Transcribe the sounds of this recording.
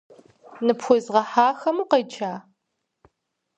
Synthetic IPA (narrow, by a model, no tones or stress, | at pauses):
nɨpxʷʊzʁɐħaːxɐmuːqɐjt͡ʃʰaː